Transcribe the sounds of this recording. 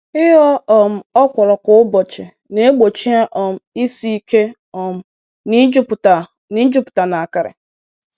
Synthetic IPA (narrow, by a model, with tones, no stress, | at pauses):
ɪ˦ɦɔ˦ɔ˨m̩˨ɔ˦kʷɔ˨ɾɔ˨kʊ˨˦ʊ˦bɔ˨t͡ʃɪ˨ | ne˦e˦ɡ͡bo˨t͡ʃi˦a˦ʔɔ˨m̩˨i˦si˦i˦ke˦ | ɔ˨m̩˦ | ni˦d͡ʒʊ˦pta˨ | ni˦d͡ʒʊ˦pʊ̥˨ta˨na˨a˨ka˨ɾɪ̰˨